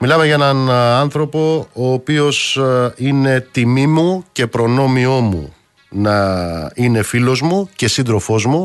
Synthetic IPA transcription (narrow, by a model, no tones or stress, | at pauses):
milɐme̞ʝɐenɐnɐnθɾo̞po̞oːpio̞sine̞t̪imimuce̞pɾo̞no̞mio̞mṵ | nɐine̞filo̞zmuce̞sind̪ɾo̞fo̞zmu